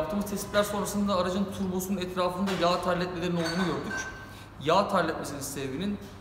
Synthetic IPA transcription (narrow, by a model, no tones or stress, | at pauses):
p̚t̪ʰɯːmɯzt̪ʰɛsiplʲæɾso̞nɾasɯnd̪aːɾad͡ʒant̪ʰuɾbosununɛt̪ɾaːfɯnd̪ajaːt̪ʰaɾlʲɛt̪melʲe̞ɾino̞lˠd̪uːnuɟøɾd̪yc | jaːt̪ʰaɾlʲɛt̪mesininsɛvvinin